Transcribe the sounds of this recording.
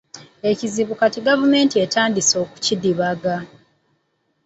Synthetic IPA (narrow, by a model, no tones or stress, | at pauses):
e̞ciziβukatiɡavume̞ːntie̞taːndiso̞ːku̥cidiβaɡa